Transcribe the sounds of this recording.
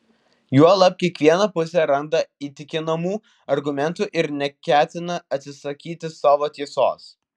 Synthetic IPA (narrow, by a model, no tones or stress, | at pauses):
juɔlˠɐp̚kʲiɛkʋʲiɛnɐpʊsʲɛɾɐnd̪ɐiːt̪ʲɪkʲɪnɐmuː | ɐɾɡʊmʲɛnt̪uʔɪɾnʲɛkʲæːt̪ʲɪnɐɐt̪ʲsʲɪsɐkʲiːt̪ʲɪsɑːʋoːt̪ʲiɛso̰ːs